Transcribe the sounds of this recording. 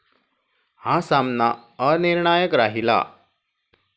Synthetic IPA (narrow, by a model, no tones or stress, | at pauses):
hasamnaəniɾɳajəkɾaɦila̰